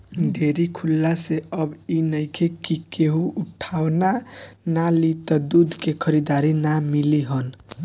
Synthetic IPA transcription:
ɖʱeɾikʰulːaseəbinəjkʰekikeɦuuʈʰawnanalit̪əd̪ud̪ʱkekʰəɾid̪aɾinamiliɦən

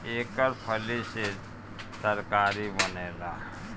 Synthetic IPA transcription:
ekəɾpʰəlise | səɾkaɾibənela

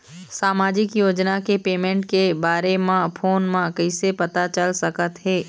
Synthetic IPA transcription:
saːmaːd͡ʒɪkjoːd͡ʒnakepeːmẽɳʈkebaːɾemãpʰoːnmãkəɪsepɐt̪at͡ʃəlsɐkət̪ɦɛː

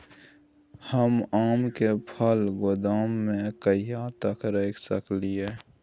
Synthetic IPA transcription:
həmaːmkepʰəlɡʊd̪aːmːẽkəijat̪əkɾeːkʰsəklieː

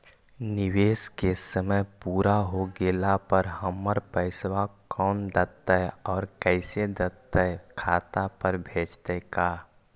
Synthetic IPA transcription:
nɪʋeːskesəməjpuːɾaɦoɡeːlapəɾɦəmːəɾpəɪswakɔːnd̪ət̪ːəɔːɾkɛɪsed̪ət̪ːəkʰaːt̪apəɾbʱeːd͡ʒt̪əkaː

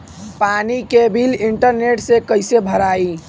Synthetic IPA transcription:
panikebʱiliɳʈəɾneʈsekəɪsebʱəɾai

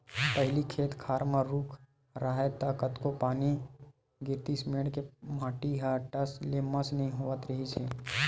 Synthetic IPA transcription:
pɐɦɪlikʰeːt̪kʰaːɾmaɾuːkʰ | ɾaɦet̪akət̪kopaːni | ɡɪɾt̪ismeːɽkemaːʈiɦaʈəsleməsnɐɦĩɦoːʋət̪ɾɐɦit͡ʃʰe

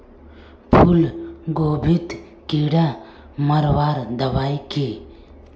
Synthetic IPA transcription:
pʰulɡoːbʱɪt̪ | kiːɽa | mɐɾwaːɾd̪ɐʋaːike

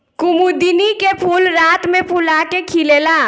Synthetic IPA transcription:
kʊmud̪inikepʰuːlɾaːt̪mẽpʰulakekʰilelaː

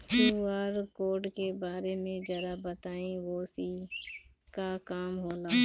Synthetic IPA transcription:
peaːɾkoːɖkebaːɾemẽd͡ʒɐɾabət̪aːĩʋoːsi | kakaːmɦoːlaː

